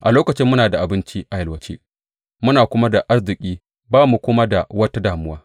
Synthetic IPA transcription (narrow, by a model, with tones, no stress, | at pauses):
ʔa˨loː˦kɐ˨t͡ʃɪ˦mːʊ˦naː˨da˨ʔa˨bɪ˦nt͡ʃi˦ʔa˨jɐ˨lwɐ˨t͡ʃḛ˦ | mʊ˦naː˨kʷʊ˦ma˦da˨ʔa˦rzɪ˨kʲʼiː˦ | baː˦mu˨kʷʊ˦ma˦da˨wɐ˦ta˦daː˨mʊ˦waː˦